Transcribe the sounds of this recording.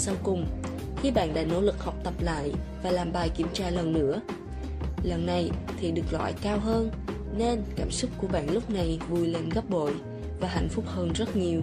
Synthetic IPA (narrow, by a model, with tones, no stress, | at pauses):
sa˧wkʊ˨˩ŋ͡m | xi˧ɓa̰ː˧˨nɗa̰ː˧˥no̰˧˥lɨ˨˩k̚hɔ˨˩wk͡p̚t̪ə˨˩p̚la̰ː˧˨jvaː˨˩laː˨˩mɓaː˨˩jki˧˩əmt͡ɕaː˧lə˨˩nːɨ̰˧˥ə | lə˨˩nːa˨˩jt̪ʰi˨˩ɗɨ˨˩ək̚lwa̰ː˧˨jkaː˧wɦəː˧n | ne˧nkaː˧˩msʊ˦˥k͡p̚ku˧˩əɓa̰ː˧˨nlʊ˦˥k͡p̚na˨˩jvu˨˩jle˨˩nɣə˦˥p̚ɓo̰˧˨j | vaː˨˩ɦa̰˧˩jŋ̟fʊ˦˥k͡p̚həː˧nzə˦˥t̚ɲi˨˩əw